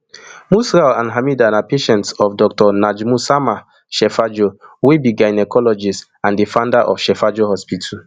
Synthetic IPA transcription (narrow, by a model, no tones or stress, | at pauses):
musɾalãnɦamidanapeʃɛ̃ntsɔfdɔktɔnad͡ʒmusama | ʃɛfad͡ʒowebiɡajnɛkɔlɔd͡ʒist | ãndifãʊndaʔɔfʃɛfad͡ʒoɦɔspitʰu